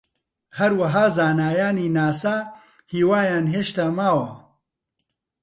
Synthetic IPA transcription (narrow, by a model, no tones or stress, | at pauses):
hɐɾwɐɦaːzaːnaːjaːniːnaːsaː | hiːwaːjaːnɦeːʃt̪amaːwɐ